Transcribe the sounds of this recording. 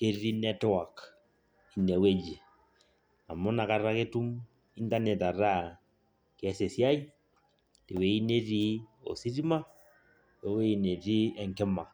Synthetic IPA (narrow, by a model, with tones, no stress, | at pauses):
ke˦ɾi˦nɛ˦twa˨k | i˨ne˨we˦d͡ʒi˨ | a˨mʊ˦na˨ka˨ɾa˦ke˦tu˦m | i˦nta˦ne˨ta˨ɾa˦ | ke˨ɛ˦se˨si˦a˦i˦ | te˨we˨i˦ne˦ti˦o̰˨si˦ɾi˦ma˦ | e˨we˦i˨ne˨ti˦ɛ˨ŋkɪ˦ma˨